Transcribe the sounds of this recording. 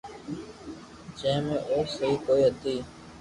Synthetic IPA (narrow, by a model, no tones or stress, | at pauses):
t͡ʃẽːmẽːʔoːsəɦiːkoːiːɦət̪iː